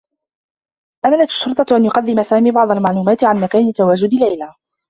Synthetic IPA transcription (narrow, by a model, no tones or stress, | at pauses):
ʔamaːlat̪ḁʃːʊɾt̪ˤɑʔanjʊqɑd̪ːɪmasaːmiːbɑʕd̪ˤɑlmaʕluːmaːt̪ɪʕanmakaːnɪt̪ːawaːd͡ʒʊd̪ɪlajla